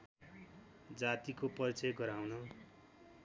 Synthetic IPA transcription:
d͡zat̪ikopʌrt͡sʌjɡʌɾawno

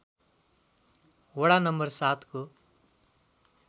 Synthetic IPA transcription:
wɔɽanɐmbɐɾsaːt̪ku

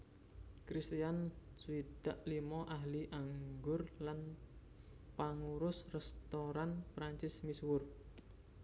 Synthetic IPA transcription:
kɾist̪ian | suid̪̥aʔlimɔʔaɦliʔaŋɡʊrlan | paŋuɾʊsrɛst̪oɾanpɾaɲt͡ʃɪsmiswʊr

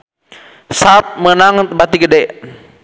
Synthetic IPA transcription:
sap̚mənaŋbat̪iɡədɛ

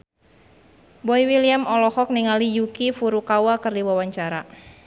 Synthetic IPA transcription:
bɔiwiliamɔlɔhɔk̚niŋalijukifuɾukawakɨrdiwawaɲt͡ʃaɾa

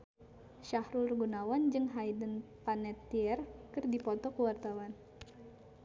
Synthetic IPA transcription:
ʃahɾulrɡunawand͡ʒɨŋɦajdənpanɛt̪iɛrkɨrdipɔt̪ɔkəwart̪awan

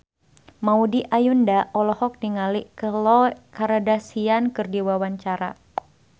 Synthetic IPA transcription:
maudiʔajundaɔlɔhɔk̚diŋalikəlɔkaɾadasiankɨrdiwawaɲt͡ʃaɾa̰

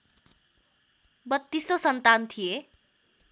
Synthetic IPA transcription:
bʌt̪ːisosʌnt̪ant̪ʰije

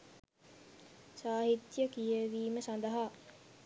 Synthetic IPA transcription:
saːɦit̪jəkijəʋiːməsand̪əɦa

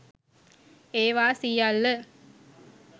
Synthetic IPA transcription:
eːʋaːsijalːə

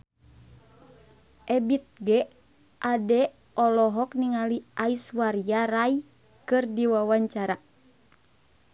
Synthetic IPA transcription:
ʔɛbit̪̚ɡɛ | ʔadɛ | ɔlɔɦɔk̚niŋaliʔaiswaɾiaɾai | kɨrdiwawaɲt͡ʃaɾa

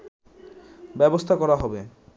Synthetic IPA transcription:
bɛbost̪ʰakɔɾaɦɔbe

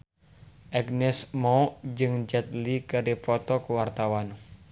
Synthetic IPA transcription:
ʔɛɡnɛsmɔd͡ʒɨŋd͡ʒɛt̪̚likəɾipɔt̪ɔkuwart̪awan

